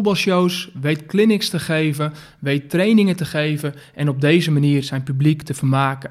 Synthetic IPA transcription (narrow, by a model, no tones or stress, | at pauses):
ut̚bɑlˠʃowsʋejtklɪnɪkstəχeːvə | ʋejttrejnɪŋətəχejvə | ʔɛnɔb̚dejzəmaniːrzɛjnpybliktəfərmaːkə